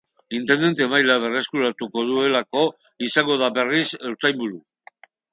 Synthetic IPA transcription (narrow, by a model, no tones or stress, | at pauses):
int̪e̞nd̪e̞nt̪emajlaβ̞e̞re̞skuɾat̪uko̞ð̞ue̞lako̞ | isaŋɡo̞ð̞abe̞risewst͡sajmbuɾu